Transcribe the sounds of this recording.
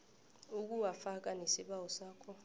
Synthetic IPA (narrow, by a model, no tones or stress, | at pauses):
uk̬uwafak̬ʼanesiɓawɔsaːkʰɔ